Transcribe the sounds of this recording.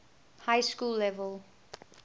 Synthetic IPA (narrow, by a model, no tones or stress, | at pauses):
haɪskuːlːɛʋəlˠ